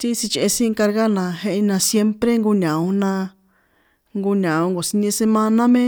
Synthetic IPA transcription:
t̪i˦si˧t͡ʃe˧e˧sĩ˦˧ka˧ɾɣa˦nã˧ɦẽ˧ʔnã˧sje˦mpɾe˦ŋɡu˧ɲã˨ũ˧nã˧ | ŋɡu˧ɲã˨õ˧ŋɡo˨si˧nĩ˧se˧mã˧nã˦mẽ˦

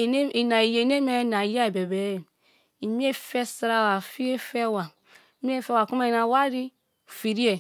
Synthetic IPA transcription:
i˨na˨je˨ne˦me˦na˨ja˦e˨be˨be˨˦˨ | i˨mi˦e˦fe˦sa˦ɾa˦˨wa˨fi˦e˦fe˦˨wa˨˦ | m˦e˦˨fe˦wa˨ku˦me˦i˨na˨wa˦ɾi˦˨ | fi˨ɾi˦e˨

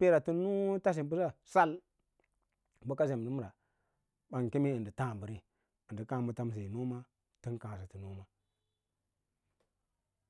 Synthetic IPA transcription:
pe˦ɾa˨ti˦nu˦ta˦s̬i˨bu˦sa˦sa˦l | bu˦ka˦ze˨m˨i˦m˦˨ɾa˨ | ɓa˨ŋ˨ki˦mi˦ɨ˨ndi˨tã˦˨bə˨ɾi˦ | ɨ˨di˨kã˦˨mu˨˦ta˦m˦s̬i˨nu˦ma˦ | ti˦nkã˨s̬i˨ti˨nu˦ma˦

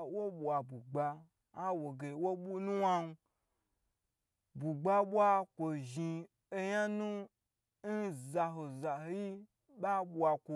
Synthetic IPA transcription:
wo˦ɓʷa˨bu˨ɡ͡ba˧ | a˦wo˨ɡe˨wo˦ɓu˦nũ˦wa˦nu˧ | bu˨ɡ͡ba˦ɓʷa˧kʷo˨ʒi˧ | e˧ɲa˦nũ˦ | n̩˦za˧ɦo˨za˨ho˨˦ji˦ | ɓa˦ɓu˨a˧kʷo˨

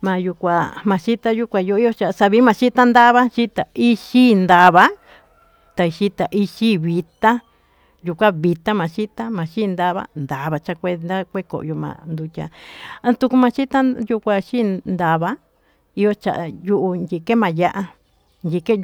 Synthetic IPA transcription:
mã˨˧ju˧kʷa˧mã˨˧ʃi˦t̪a˧ju˦kʷa˧ju˧i˦jo˦t͡ʃa˨˧sa˧βi˧˦mã˧ʃi˦t̪a˦nd̪a˦βa˦ʃi˦t̪a˨i˦ʃi˦nd̪a˧βa˧ | t̪a˨i˧ʃi˦t̪a˨ʔi˧ʃi˦βi˧t̪a˦ | ju˧kʷa˦βi˧t̪a˦mã˨ʃi˦t̪a˦mã˨ʃi˦˧nd̪a˧βa̰˦nd̪a˨βa˧t͡ʃa˧kʷe˧nd̪a˦kʷe˦ko̰˨ʔjo˧mã̰˧˨nd̪u˧tʲã̰˧˨˧t̪u˧ku˧mã˧ʃi˦t̪a˦ju˧kʷa˧ʃi˦nd̪a˧βa˦ | i˧jo˧t͡ʃa̰˨ʔju˦ʔu˧ndʲi˧ke˦mã˨ja˦ʔa˧ | ndʲi˧ke˦

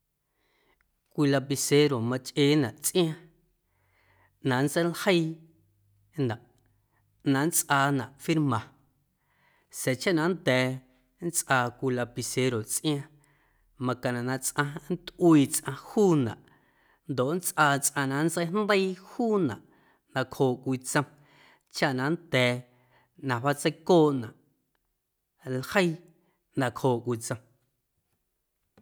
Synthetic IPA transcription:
kʷi˧la˧pi˧se˧ɾo˨mã˧t͡ʃʔeː˧˦nã˨ʔt͡sʔj̃ã˧ | nã˨nt͡sə˦jlhə˦j | nã˨ʔ | nã˨nt͡sʔaː˧nã˨ʔfi˦ɾmã˨ | se˨t͡ʃa˦ʔnã˧nd̪ɛː˨ | nt͡sʔaː˧kʷi˧la˧pi˧se˧ɾo˨t͡sʔj̃ã˧ | mã˧kã˨nã˨nã˧t͡sʔã˧n˦t̪ʔwiː˧t͡sʔã˧huː˦nã̰˨ʔ | nd̪o˨ʔn˦t͡sʔaː˧t͡sʼʔã˧nã˨nt͡sə˦jnd̪ə˦jhuː˦nã̰˨ʔ | nã˧kʰhoː˨ʔkʷi˧t͡sə̃˧m | t͡ʃa˦ʔnã˨nt̪ɛː˨ | nã˨βa˦t͡sə˦jkoː˦˨ʔnã˨ʔ | lhə˦j | nã˨khoː˨ʔkʷi˧t͡sə̃˧m

